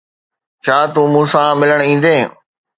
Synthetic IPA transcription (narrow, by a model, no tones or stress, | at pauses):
t͡ɕʰaːt̪uːmũːsãmɪləɽ̃ĩːn̆d̪eː